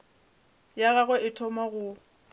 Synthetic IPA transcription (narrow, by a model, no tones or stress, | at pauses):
jaɣaɣɛʔɪtʰɔmaɣʊ